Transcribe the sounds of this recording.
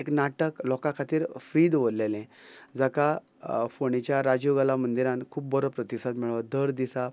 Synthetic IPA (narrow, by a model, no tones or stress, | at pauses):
eknaʈəklɔkakʰat̪iːɾfɾiːd̪ʋollelɛ̃d͡zaka | foɳit͡ɕjaɾad͡ʑuɡalamənd̪iɾãnkʰuːp̚bəɾəpɾət̪isat̪miɭʋad̪əɾd̪isa